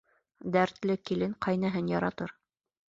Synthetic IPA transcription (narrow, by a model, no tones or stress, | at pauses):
d̪æɾt̪lɘkilɘŋqʰɑjnɑɦɤnjɑɾɑt̪ɤɾ